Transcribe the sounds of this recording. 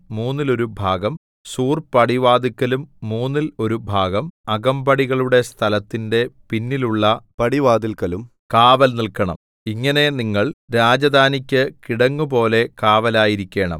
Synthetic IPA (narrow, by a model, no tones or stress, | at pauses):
muːnːilo̞ɾubʱaːɡɐm | suːrpɐɽiʋaːd̪ikːɐlumːuːnːilo̞ɾubʱaːɡɐmɐɡɐmbɐɽiɣɐɭuɽe̞st̪ʰɐlɐt̪ːinde̞pinːiluɭːɐpɐɽiʋaːd̪ilkːɐlum | kaːʋɐlnilkɐɳɐ̰m | iŋːɐne̞niŋːɐɭɾaːd͡ʑɐd̪ʱaːnikʲːɨkiɽɐŋːup̬o̞ːle̞kaːʋɐlaːjiɾikʲːe̞ːɳɐ̰m